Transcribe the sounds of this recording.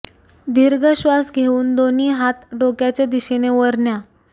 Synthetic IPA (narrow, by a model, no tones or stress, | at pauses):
d̪iɾɡəɕʋasɡʱeuːnd̪oniːɦat̪ɖokjat͡ɕjad̪iɕeneʋəɾɳja